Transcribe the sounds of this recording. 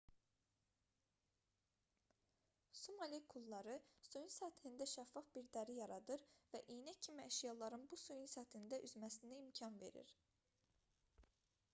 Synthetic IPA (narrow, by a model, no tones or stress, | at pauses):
sumɑlʲikʰulˠːɑɾɯsujunsæt̪ʰlind̪æʃæfːɑfb̥iɾd̪æɾijɑɾɑd̪ɯɾvæʔijnæcʰːimiæʃijɑlˠɑɾɯnbusujunsæt̪ʰind̪æʔyzmæsind̪æimcʰɑnve̞̰ɾḭɾ̥